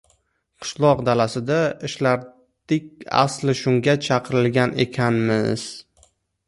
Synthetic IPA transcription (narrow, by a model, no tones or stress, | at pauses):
qʰɨ̥ʃlˠɒqd̪alasɪd̪aɪʃlaɾ | d̪̥ɪkʲa̰slɪʃʊŋɡʲat͡ʃʰɑqʰɨɾɪlɡʲane̞̰kʲʰanmɪz̥